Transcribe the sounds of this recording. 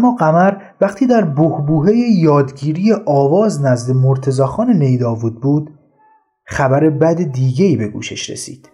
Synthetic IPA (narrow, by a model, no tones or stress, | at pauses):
æmːɒːɢæmæɾ | væχt̪ʰiːd̪æɾbohbuːɦe̞jejɒːd̪ɟiːɾijeʔɒːvɒːznæzd̪emoɾt̪ʰe̞zɒːxɒːnene̞jd̪ɒːvuːd̪̚buːd̪ | χæbæɾe̞bæd̪ed̪iːɟe̞iːbe̞ɡṵːʃe̞̰ʃɾḛsḭːd̪̥